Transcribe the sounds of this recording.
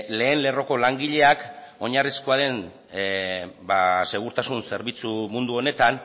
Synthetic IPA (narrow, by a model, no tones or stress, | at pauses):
le̞ːnle̞ro̞ko̞laŋɡiʎe̞ako̞ɲariskoaðe̞n | base̞ɣ̞uɾt̪asunse̞ɾβit͡sumund̪uo̞ne̞t̪an